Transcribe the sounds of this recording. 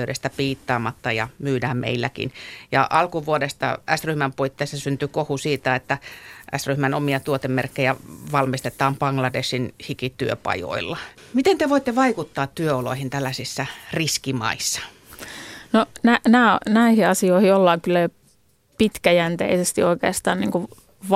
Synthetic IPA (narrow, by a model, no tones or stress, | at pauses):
yɾest̪æpiːt̪ːɑːmɑt̪ːɑjɑ̰myːdæːmmʔḛilːækḭnjɑ̰ʔɑlkuʋuodest̪ɑ̰æsryhmæmpuit̪ːeisːɑsynt̪ykohusiːt̪æet̪ːæʔæ̰sryhmænomiɑt̪uot̪emmerkːejæʋɑlmist̪et̪ˑɑːmpɑŋlɑdeʃinhikit̪yø̰pɑ̰jo̰ilːɑ | mit̪ent̪eʋoit̪ːeʋɑikut̪ːɑːt̪t̪yøolo̰ihint̪ælːæsisːæriskimɑ̰isːɑ̥ | nonænæːnæihiɑsioihiolːɑŋkylːæ | pit̪kæjænt̪ḛisest̪ioikḛːst̪ɑ̰ːnnḭŋku | ʋ